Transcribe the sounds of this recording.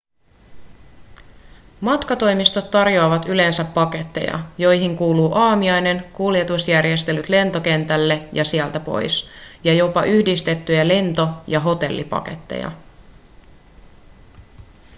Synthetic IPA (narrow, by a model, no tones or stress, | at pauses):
mɑt̪kɑt̪o̞jmist̪o̞t̪ːɑrjo̞ɑʋɑt̪yle̞nsæpːɑke̞t̪ːe̞̰jɑ̰jo̞jɦiŋkuːluːʔɑːmiɑjne̞ŋkulje̞t̪usjærje̞st̪e̞lyt̪le̞nt̪o̞k̟e̞nt̪ælːe̞jɑsiælt̪æpo̞̰jsjɑjo̞pɑʔyhdist̪e̞t̪ːyjæle̞nt̪o̞jɑɦo̞t̪e̞lːḭpɑ̰ke̞̰t̪ːḛjɑ̰